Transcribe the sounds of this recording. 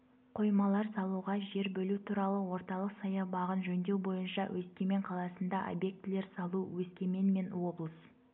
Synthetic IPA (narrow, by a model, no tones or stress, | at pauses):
qʰo̞jmɑlˠɑɾsɑlˠuʁɑʒe̞ɾbɵlut̪ʰuɾɑlˠəwo̞ɾt̪ɑlˠəqsɑjɑbɑʁənʒɵnd̪e̞wbo̞jənʃɑwʔɵskʲe̞me̞ɴqʰɑlˠɑsənd̪ɑʔo̰bje̞k̚t̪ɪle̞ɾsɑlˠuwɵskʲe̞me̞nme̞nwo̞blˠəs